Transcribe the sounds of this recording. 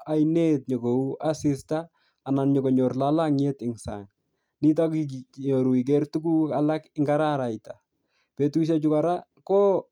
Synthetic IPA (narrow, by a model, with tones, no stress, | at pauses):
a˨jne˦t̚ɲɔ˨ɡo˨u˦a˦sɪ˦staː˦˨ | na˨nɲɔ˨ko˨ɲɔ˨rlala˦ŋe˦tɪ˨ŋsa̰ŋ | ni˦t̬a˦kiɲo˨ɾu˨i˨k̬ɛ˦rtu˦ku˦a˨la˦kɪŋɡaɾa˦ɾa˨jta | pe˨tu˦ʃ̬at͡ʃʊ˦ka˨ɾa˦kɔ˦